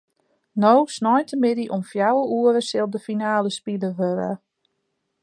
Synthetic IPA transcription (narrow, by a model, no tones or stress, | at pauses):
nowsnɔjtəmɪdiʔɔmfjawəʔuəɾəsɪlˠdəfinaːləspidəʋøɾə̰